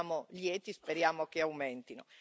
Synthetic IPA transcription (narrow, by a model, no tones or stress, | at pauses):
moljɛːt̪ispeɾjaːmok̟eawmɛnt̪ino̰